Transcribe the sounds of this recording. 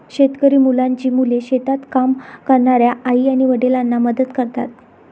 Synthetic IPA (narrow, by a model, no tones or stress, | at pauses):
ɕet̪kəɾiːmulaɲt͡ɕiːmuleɕet̪at̪kamkəɾɳaɾjaʔaiaɽ̃iʋəɽelanːaməd̪əd̪kəɾt̪at̪